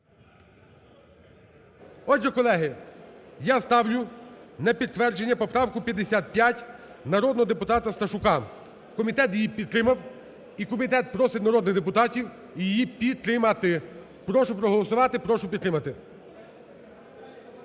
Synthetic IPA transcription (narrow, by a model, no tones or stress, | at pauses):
ɔd͡ʒɛkɔlˠɛɦɪ | jast̪ɑwlʲʊnɐpʲid̪t̪ʋɛrd͡ʒe̞nʲːɐpɔpɾɑwkʊpʲjɐd̪ːesʲat̪̚pʲjatʲ | nɐɾɔd̪nɔɦɔd̪epʊt̪ɑt̪ɐst̪ɐʃʊkɑ | kɔmʲit̪ɛt̪jɪjipʲid̪t̪ːɾɪmɐw | ikɔmʲit̪ɛt̪̚pɾɔsʲɪt̪nɐɾɔd̪nɪɣd̪epʊt̪ɑtʲiw | ijejipʲid̪̚t̪ːɾɪmɐt̪ɪ | pɾɔʃʊpɾɔɦɔlˠɔsʊʋɑt̪ɪpɾɔʃʊpʲid̪t̪ɾɪmɐt̪ɪ